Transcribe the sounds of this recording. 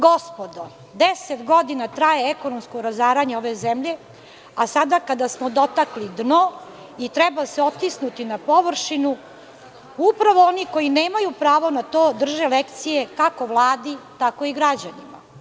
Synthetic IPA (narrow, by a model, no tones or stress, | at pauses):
ɡospod̪o | d̪eset̪ɡod̪inat̪ɾajeɛko̞nomskoɾazaːɾaɲeoʋe̞zemʎe̞ | asad̪akad̪asmod̪o̞t̪aklid̪no | it̪ɾɛbaseot̪isnut̪inapo̞ʋrʃinu | upɾaʋo̞oniko̞jineːmajupɾaːʋo̞nat̪oːd̪r̩ʒelekt̪sijekako̞ʋlˠaːd̪it̪ako̞iɡɾad͡ʑanima̰